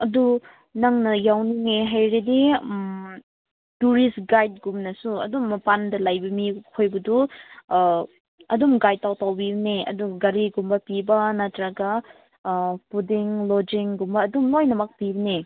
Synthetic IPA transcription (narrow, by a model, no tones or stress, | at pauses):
ɐdu | nɐŋnɐjawniŋeɦajɾedim | tuɾisɡajd̚ɡumnɐsuɐ̰dumːɐpandɐlɐjbɐmikʰojbɐdu | ɐdumɡaj̚tawtawbibɐneɐ̰duɡɐɾiɡumbɐpibɐnɐtɾaɡɐ | pudiŋlod͡ʒiŋɡumbɐːdumlojnɐmɐk̚pibɐne